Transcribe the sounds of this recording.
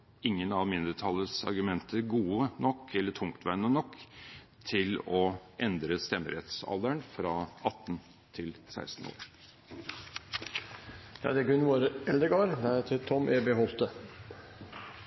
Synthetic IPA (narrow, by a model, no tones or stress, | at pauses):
ɪŋːənɑʋmɪnd̪əɾt̪ʰɑlːəsɑ̰ɾɡʉmɛnt̪əɡuːənɔkʰːɛlːəʈʰʊŋkt̪ʰʋæɾnənɔkː | t̪ʰɪlɔʔɛnd̪ɾəst̪ɛmːəɾɛt̪sɑ̰ld̪əɳfɾɑɑt̪ːn | t̪ʰɪlsæ̰ɪst̪n̩o̰ːɾ | jɑ̰ːd̪ɛɡʉnːʋoːɾɛld̪ɾəɡɑːɾd̪ɛæt̪ʰɪt̪ʰɔmʔeːbeɦɔlt̪ə